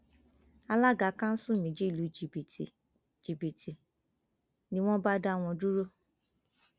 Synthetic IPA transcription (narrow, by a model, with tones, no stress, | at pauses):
a˧la˦ɡa˨˦kã˦n̩˦sũ˦˨mĩ˨d͡ʒi˦˨lu˨˦d͡ʒi˨bi˨tḭ˨ | d͡ʒi˨bi˨ti˨ | nĩ˦w̃ɔ̃˦ba˦da˦˨w̃ɔ̃˧du˦ɾo˦